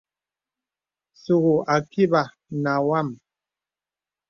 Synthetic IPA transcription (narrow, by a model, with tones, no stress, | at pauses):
su˨ɣu˨a˨ki˦ba˨ | na˨wa˦˨m